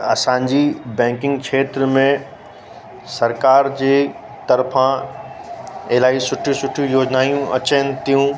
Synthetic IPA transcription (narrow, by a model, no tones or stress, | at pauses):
ɐsãːɲd͡ʑibɛ̃ːŋkɪ̃ŋɡkʃʰeːt̪ɾəmẽ | sɐɾkaːɾd͡ʑeː | t̪ɐɾfã | eːlaːisʊʈʰjũsʊʈʰjũjoːd͡ʑnaːijũɐ̰t͡ɕənɪ̆t̪ijũ